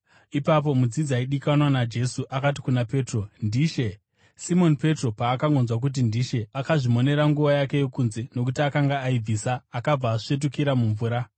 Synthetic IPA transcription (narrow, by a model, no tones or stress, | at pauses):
ipap̬o̞mud͡zid͡zaiɗikanwanad͡ʒe̞suʔakati̥kunape̞ːtro̞ndiːʃe̞ | simo̞npe̞tro̞paːkaŋɡonzwak̬ut̬indiʃe̞akaʐimo̞ne̞ɾaŋɡuʋajake̞je̞kunze̞no̞k̬utiakaŋɡaːib͡viːsaːkab͡vaːʂe̞t̬ukiɾamuɱvuːɾa